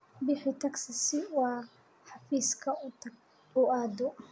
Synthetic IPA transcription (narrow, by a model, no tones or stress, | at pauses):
bɪħɪt̪ʰɐksɐsɪwɑː | ħɑfiːskʰɐ | ʊʔaːd̪ɔ